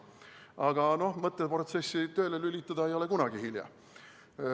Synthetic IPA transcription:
ɑɡ̥ɑno̞hmɤt̪ˑːepro̞t̪se̞sːit̪ø̞ːlelylʲit̪ːˑɑd̪̥ɑejo̞le̞kunɑɡ̥ihiljɑ̰

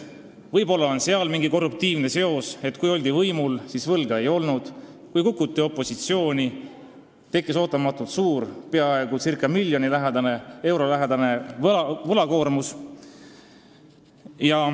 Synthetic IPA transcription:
vɤjbo̞lːɑonseɑlmiŋɡiko̞rːuk̚t̪iːvne̞se̞o̞se̞t̪ːˑkujo̞lʲd̪̥ivɤjmulsisvɤlɡ̥ɑe̞jo̞lnud̪̥ | kujkukːˑut̪ːˑio̞pːˑo̞sit̪sio̞ːnʲi | t̪e̞kːˑiso̞ːt̪ːˑɑmɑt̪ːˑult̪suːɾpe̞ɑeeɡ̥usirkːˑɑmilʲːjo̞nilæɦed̪ɑnee̞wɾo̞læɦed̪ɑne̞ɑvɤlɑko̞ːrmus | jɑ

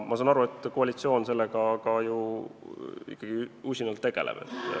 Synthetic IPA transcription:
mʔɑsɑːnɑɾue̞t̪ːˑko̞ɑlʲit̪sio̞ːnse̞lːeɡ̥ɑkɑju | ḭkːɑɡ̥iusʲinɑlt̪ːeɡ̥e̞̰lḛb̥e̞̰t̪ːˑ

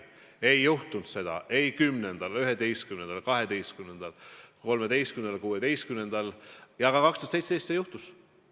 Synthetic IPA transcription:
e̞jːuht̪unt̪se̞d̪̥ɑ̰ʔe̞jkymnend̪̥ɑlyɦed̪e̞jst̪̚kymnend̪ɑlkɑɦe̞d̪e̞jst̪kymnend̪̥ɑlko̞lmed̪e̞jst̪kymned̪ɑlkuːed̪e̞jst̪̚kymne̞nd̪̥ɑljɑɡɑkɑkst̪ost̪sej̪sejst̪sejuht̪us

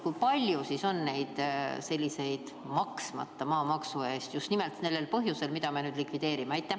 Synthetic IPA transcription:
kujpɑlʲjusiso̞nːe̞jd̪̥se̞lʲːise̞jd̪̥ | mɑksmɑ̰t̪ːɑmɑːmɑksue̞ːst̪just̪nimelt̪ne̞lːe̞lpɤɦjuse̞lmid̪̥ɑme̞nyːd̪likvid̪̥e̞ːɾimeɑjt̪ːˑe

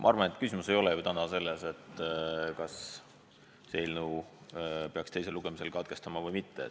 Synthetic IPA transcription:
mɑ̰ɑɾrvɑne̞t̪kysimuse̞jo̞lejut̪ænɑse̞lːese̞t̪ːˑkɑsː | e̞lnu | pe̞ɑkst̪e̞js̬eluɡ̥e̞mise̞lkɑd̪̥̚ke̞st̪ɑmɑvɤjmit̪ːe

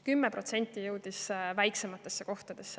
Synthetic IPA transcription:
kymːepro̞t̪se̞nʲt̪ːˑijɤwd̪̥isvæjkse̞mɑt̪ːˑe̞sːeko̞ht̪ɑd̪̥e̞sːe

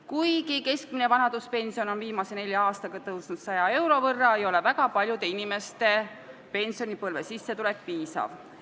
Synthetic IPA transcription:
kujɡike̞sk̚mine̞vɑnɑd̪uspe̞nsio̞no̞nviːmɑse̞ne̞lʲjɑɑːst̪ɑɡ̥ɑt̪ɤwsnud̪̥sɑjɑe̞wɾo̞vɤrːɑejo̞le̞væɡ̥ɑpɑlʲjud̪e̞inime̞st̪e̞ | pe̞nʲsio̞nipɤlve̞sisːe̞t̪ule̞k̚ːpiːsɑ̰v

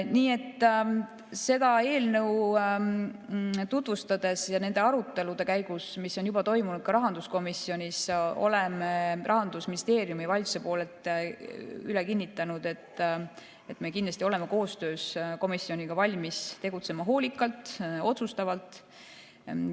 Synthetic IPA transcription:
niːe̞t̪ːˑ | se̞d̪̥ɑe̞ːlnəw | t̪ut̪vust̪ɑd̪̥e̞sjɑne̞nd̪e̞ɑɾut̪ːˑe̞lud̪̥e̞kæjɡ̥usmisːo̞njub̥ɑt̪o̞jmunud̪̥̚kɑɾɑɦɑnd̪usko̞misio̞nʲiso̞̰le̞merɑɦɑnd̪̥usminʲist̪e̞ːɾijumivɑlʲt̪u̥se̞po̞ːle̞lt̪ˑ | yle̞kinːit̪ːˑɑnud̪̥e̞t̪ːˑ | e̞t̪ːˑme̞kind̪lɑst̪ʲio̞le̞meko̞ːst̪ø̞ːsko̞misːio̞nʲiɡ̥ɑvɑlʲmist̪e̞ɡ̥ut̪se̞mɑɦo̞ːlʲikːˑɑlt̪ˑo̞t̪sust̪ɑvɑlt̪ˑ

